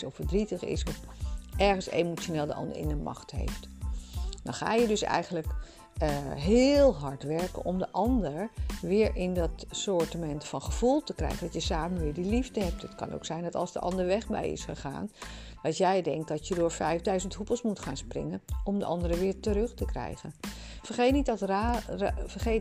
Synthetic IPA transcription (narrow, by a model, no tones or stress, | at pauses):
sɔfəɹdritəχɪ̰sɔfʔɛɹχənsḛjmooneːlˠdəʔɑ̰ndə̰ɹɪ̰ndəmʔɑ̰χtɦḛjft | dɑ̰χa̰ːjədɵsɛ̰jχənlək | ɦɪlˠɦɑɹtʋɛɹkə̰nʔɔmdəʔɑndəɹʋɪːɹʔɪndɑtsɔɹtəmɛntfɑnχəv̥ulˠtəkrɛ̰jχəndɑtjəsaːmənʋɪːɹdilivdəɦɛp̚tɦətkɑ̰no̰wksɛjndɑtɑ̰lˠzdəʔɑ̰ndəɹʋɛχbɛ̰jɪ̰sχəχa̰ːnʋɑntjɛjdɛŋk̚dɑtjədʊːɹfɛjvdœɥzəntɦupəlˠsmutχaːnsprɪ̰ŋənɔmdəʔɑ̰ndəɾəʋɪːɹtəɾɵχtəkrɛ̰jχənfəɹχejtnittrafəɹχej